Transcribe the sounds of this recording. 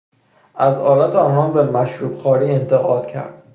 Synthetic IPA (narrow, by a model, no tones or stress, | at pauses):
ʔæzɒːlæt̪ʰeɒːnɒːnbemæʃɾuːbxɒːɾiːent̪ʰe̞ɣɒːd̪̥cʰæ̰ɾd̪̥